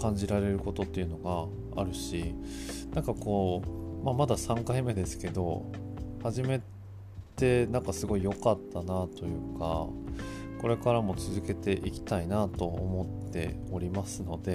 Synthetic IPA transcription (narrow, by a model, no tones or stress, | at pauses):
kãɲ̟d͡ʑiɾaɾe̞ɾɯ̟ko̞t̪o̞t̪ːe̞iɯ̟no̞ɡa | a̰ɾɯ̟ɕinãŋkako̞ːmamad̪asãŋkaime̞d̪e̞sɨ̥ke̞d̪o̞̰haʑime̞ | t̪e̞nãŋkasɨɡo̞ijo̞kat̪ːanat̪o̞jɯ̟ːka̰ | ko̞ɾe̞kaɾamo̞t͡sɨzɨke̞t̪e̞ʔikʲi̥t̪ainat̪o̞omo̞t̪ːe̞̰o̞ɾʲimasɨno̞d̪e̞